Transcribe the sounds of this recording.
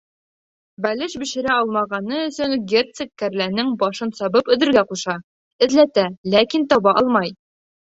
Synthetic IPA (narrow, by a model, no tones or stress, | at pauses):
bælɘʃbɘ̆ʃɘ̆ɾæɒlˠmɑʁɑnɤɵ̆sɵŋɡʲert̪sekːæɾlænɘŋbɒʃɤnsɒbɤpɵ̆ðɘ̆ɾɡæquʃɑ | ɘ̆ðlæt̪ælækint̪ɒbɑʔɒlˠmɑj